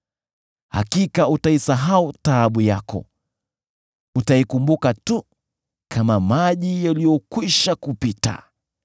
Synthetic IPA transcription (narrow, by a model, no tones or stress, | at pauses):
ha̰kikautaisaɦautaɓujakɔ̰ | utaikumbukatu | kʰamamaʄijalijɔkwiʃakupita̰